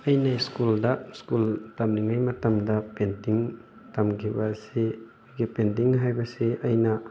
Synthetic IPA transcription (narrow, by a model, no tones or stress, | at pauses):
ɐjnaiskuldɐskultɐmniŋajmɐtɐmdɐpentiŋ | tɐmkʰibɐse | jɡipent̬iŋɦajbɐseʔɐjnɐ